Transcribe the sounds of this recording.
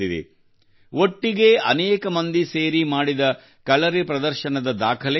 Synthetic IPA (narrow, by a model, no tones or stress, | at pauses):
id̪ḛ | ʔoʈːiɡe̞ɐnɛːkɐmɐnd̪iseːɾimaːɽid̪ɐ | kɐlɐɾepɾɐd̪ɐɾʃɐnɐd̪ɐd̪aːkʰɐle